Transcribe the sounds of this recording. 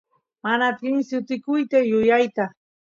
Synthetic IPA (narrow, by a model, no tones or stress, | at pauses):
manat̪ɪmsɪt̪ɪkʊjt̪ajʊjajt̪a